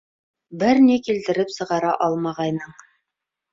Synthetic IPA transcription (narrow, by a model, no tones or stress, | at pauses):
bɘɾnikilt̪ɘ̆ɾɘpsɤ̆ʁɑɾɑʔɑlˠmɑʁɑjnɤɴ